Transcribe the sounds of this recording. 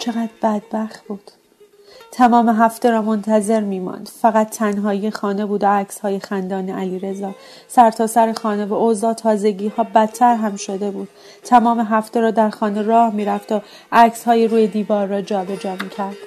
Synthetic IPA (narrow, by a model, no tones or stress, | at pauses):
t͡ʃʰe̞ɣæd̪bæd̪̚bæxt̪̚b̥uːd̪̥ | t̪ʰæmɒːme̞ɦæft̪e̞ɾɒːmo̞nt̪ʰæze̞ɾmiːmɒ̰nd̪̥fæɣæt̪ʰːænɦɒːjiːexɒːne̞buːd̪oæcshɒːjexænd̪ɒːneʔæliːɾe̞zɒː | sæɾt̪ʰɒːsæɾexɒːne̞voʔozɒːt̪ʰɒːze̞ɟiːhɒːbæt̪ʰːæɾɦæmʃo̞d̪e̞buːd̪̥̚ | t̪ʰːæmɒːme̞ɦæft̪e̞ɾɒːd̪æɾxɒːne̞rɒːhmiːɾæft̪ʰo | ʔæcshɒːjeɾuːjed̪iːvɒːɾːɒːd͡ʒɒːbe̞d͡ʒɒːmiːcʰæɾd̪̥